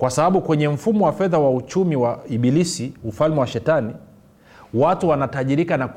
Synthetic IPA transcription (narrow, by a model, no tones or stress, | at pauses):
kwasaɓaɓukwɛɲɛm̩fumɔwafɛðawaut͡ʃumiwaiɓilisiufalmɛwaʃɛtani | watuwanataʄiɾikanak